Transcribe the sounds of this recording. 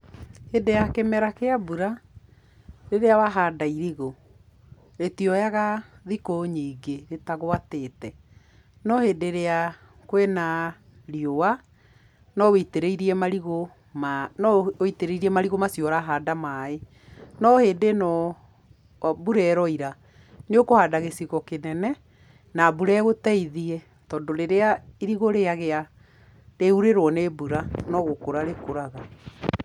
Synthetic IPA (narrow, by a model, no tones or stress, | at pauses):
hedejakemɛɾakeabuɾa | ɾeɾeawaɦaːdaiɾiɣo | etiɔjaɣaðikoɲiːɡeɾetaɣoateːtɛ | nɔheːdeɾea | kwɛna | ɾiowa | nɔweteɾeiɾiɛmaɾiɣo | manɔoiteɾeiɾiɛmaɾiɣomasjɔɾaɦaːdamae | nɔheːdenɔ | buɾɛɾɔiɾa | neokohadaɣesiɣɔkenɛnɛ | nabuɾɛɣotɛiðiɛ | tɔːndoɾeɾeaiɾiɣoɾeaɣea | ɾeuɾeɾwɔnebuɾanɔɣokoɾaɾekoɾaɣa